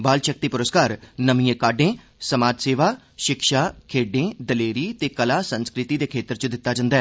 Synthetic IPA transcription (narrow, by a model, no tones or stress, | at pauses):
baːlʃək̚t̪iːpʊɾəskaːɾnəmiːẽːkaːɖẽː | səmaːd͡ʒseːʋaː | ʃɪkʃaːkʰeːɖẽːd̪əleːɾiːt̪eːkəlaːsənskɾɪt̪iːd̪eːkʰeːt̪əɾt͡ʃəd̪ɪt̪ːaːd͡ʒãːnd̪aːɛː